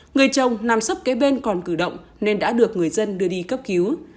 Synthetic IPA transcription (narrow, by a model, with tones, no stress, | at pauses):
ŋɨ˨˩əjt͡ɕə˨˩wŋ͡mnaː˨˩msə˦˥p̚kaː˨˦jɓe˧nkɔ˨˩nkɨ˧˩ɗə̰˧˨wŋ͡m | ne˧nɗa̰ː˧˥ɗɨ˨˩ək̚ŋɨ˨˩əjzə˧nɗɨ˧əɗi˧kə˦˥p̚ki˨˦w